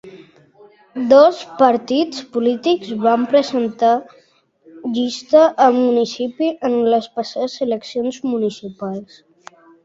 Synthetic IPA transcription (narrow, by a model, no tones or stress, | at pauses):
d̪ɔspəɾt̪it͡spulit̪ikzβampɾəzənt̪a | ʎist̪əʔəlmunisipiʔənləspəsazələksionzmunisipalˠs